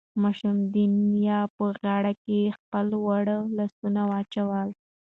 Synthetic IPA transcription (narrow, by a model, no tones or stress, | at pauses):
mɑʃumd̪injɑpəɣɑɽakexpəlwaɽəlasunawɑt͡ʃawəl